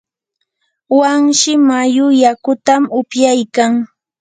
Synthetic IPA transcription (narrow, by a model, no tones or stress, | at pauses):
waŋʃɪmajʊjakʊt̪amʊpjajkaŋ